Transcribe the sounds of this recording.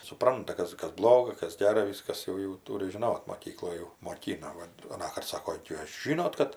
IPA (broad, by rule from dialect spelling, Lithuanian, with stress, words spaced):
sʊˈprɐntɐ ˈkɐs ˈkɐs ˈblˠoːɡɐ ˈkɐs ˈɡʲæːrɐ ˈʋʲɪskɐs ˈjɛʊ jɛʊ ˈtuːrʲɪ ʒʲɪˈnoːt moːˈkʲiːklˠoːj jɛʊ moːˈkʲiːnɐ ˈʋɐt ɐˈnɑːkɐrt ˈsɑːkoː ˈjuːs ˈʒʲɪnoːt kɐt